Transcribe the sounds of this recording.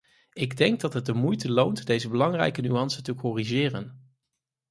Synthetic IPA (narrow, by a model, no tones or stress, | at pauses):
ɪɡdɛŋɡ̚dɑtɦət̚dəmujtəlowntdejzəbəlɑŋrɛ̰jkənyɑnsətəkɔriʒɪːrə̰n